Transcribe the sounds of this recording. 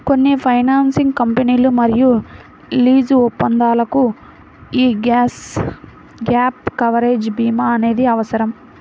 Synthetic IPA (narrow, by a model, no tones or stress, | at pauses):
ko̞nːipʰɐjnaːnsiŋɡkɐmpeniːlumɐɾiju | liːd͡ʒɔpːɐnd̪aːlɐku | iːɡs | ɡaːp̚kɐʋɐɾe̞ːd͡ʒbiːmaːɐne̞ːd̪iɐʋɐsɐɾɐm